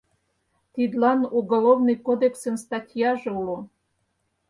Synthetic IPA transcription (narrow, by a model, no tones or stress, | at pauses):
t̪id̪lɑnuɡolovnɨjkod̪eksənst̪ɑtʲjɑʒĕulo